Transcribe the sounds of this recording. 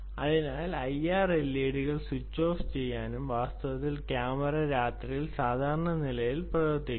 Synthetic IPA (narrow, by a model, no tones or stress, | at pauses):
ɐðinaːlɐjaːrelːeːɽiɣɐɭsut͡ɕːo̞ːft͡ɕe̞jːaːnumʋaːst̪ɐʋɐt̪ːilkjaːmɐrɐɾaːt̪rijilsaːd̪ʱaːɾɐɳɐnilɐjilprɐʋort̪ːikː